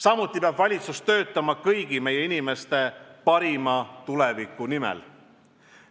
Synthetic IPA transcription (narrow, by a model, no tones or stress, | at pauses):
sɑmut̪ːˑipeɑbvɑlʲit̪sust̪ø̞ːt̪ːˑɑmɑkɤjɡ̥ime̞je̞inime̞st̪e̞pɑɾimɑt̪ulevikːˑunimɛ̰l